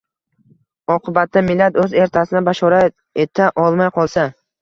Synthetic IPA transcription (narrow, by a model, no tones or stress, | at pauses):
ɒqʰɨbat̪ʰːamɪlːat̪ɵze̞ɾt̪ʰasɪnɪbaʃɒɾa | e̞t̪ʰaʔɒlˠmajqʰɒlˠsa